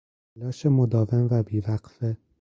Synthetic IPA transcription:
ælɒːʃemod̪ɒːvenvæbiːvæɢfe

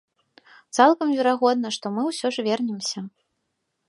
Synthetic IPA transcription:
t̪salˠkɐmvʲɛɾaɣɔd̪̚nɐʂt̪ɔmɨwsʲɔʐvʲɛrnʲɛmsʲɐ

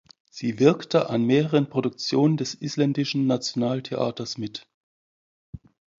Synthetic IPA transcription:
z̥iːvɪɐktəʔanmeːʁəʁənpʁ̥odʊk̚t͡sjoːnəndɛsʔislɛndɪʃn̩nat͡sjonaːltʰeʔa̰ːtɐsmɪt

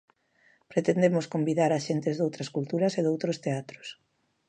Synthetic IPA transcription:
pɾet̪end̪emoskombiðaɾaʃent̪ezðowt̪ɾɐskult̪uɾɐseðowt̪ɾost̪eat̪ɾo̥s

